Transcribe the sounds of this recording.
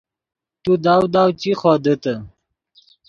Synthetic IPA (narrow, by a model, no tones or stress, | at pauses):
t̪ud̪awd̪aːwt͡ɕiχod̪ət̪ə